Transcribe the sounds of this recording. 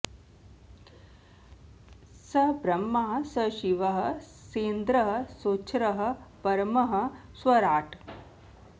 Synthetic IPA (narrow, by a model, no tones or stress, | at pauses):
sɐbɾɐmːaɦɐ̆sɐʃiʋɐɦɐ̆ | seːnd̪ɾɐɦɐ̆soːt͡ʃʰɾɐɦɐ̆pɐɾmɐɦɐ̆ | sʋɐɾaːʈ